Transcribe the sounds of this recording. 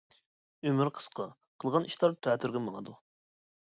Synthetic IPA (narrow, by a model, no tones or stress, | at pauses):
ømyɾqʰə̥sqɑ | qʰəlˠʁɑnʔiʃlˠɑɾt̪ʰɛːt̪ʰyɾɡʲɛmɑŋɑd̪u